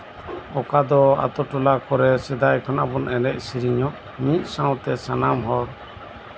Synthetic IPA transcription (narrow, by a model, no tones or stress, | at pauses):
ɔkad̪ɔa̰t̪ɔʈɔlakɔɾɛsɛd̪ajkʰɔnabɔnɛlɛʔ̚siɾiɲɔʔ | mit̪̚ˀsãwt̪ɛsanamɦɔɾ